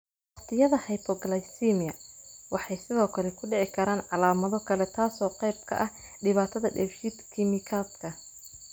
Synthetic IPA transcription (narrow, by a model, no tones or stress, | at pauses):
wɑqt̪ʰɪjɐðɐhɛjpʰɔɡɐlɐjsimɪjɐwɑħɑjsɪðɔːkʰɐlɛkʰʊɖɛʕɪkʰɐɾaːnʕɑlaːmɐðɔkʰɐlɛt̪ʰaːsɔːqɛjb̚kʰɐ̰ʔɐh | ɖɪβaːt̪ʰɐðɐɖɛ̰ːfʃid̪kʰɪmɪkʰaːd̪kʰɐ